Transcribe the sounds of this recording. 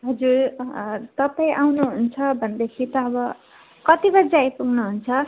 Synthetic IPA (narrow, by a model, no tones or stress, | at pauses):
ɦʌd͡zur | t̪ʌpaĩʔawnuɦunt͡sʰʌbʱʌnd̪ekʰit̪ʌːbʌ | kʌt̪ibʌd͡zajpuɡnuɦunt͡sʰʌ